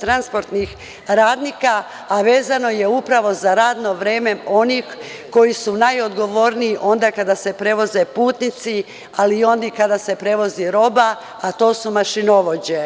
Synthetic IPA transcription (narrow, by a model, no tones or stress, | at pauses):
t̪ɾanspo̞ɾt̪nix | ɾaːd̪niːkaː | ʋe̞ːzano̞je̞upɾaʋo̞zaɾaːd̪no̞ʋɾe̞ːme̞o̞nix | ko̞jisunajo̞d̪ɡo̞ʋo̞ɾniːʔo̞nd̪akad̪ase̞pɾe̞ʋo̞ze̞puːt̪nit̪si | alio̞nd̪ikad̪ase̞pɾe̞ʋo̞ziɾo̞ba | at̪o̞ːsumaʃinoʋo̞d͡ʑe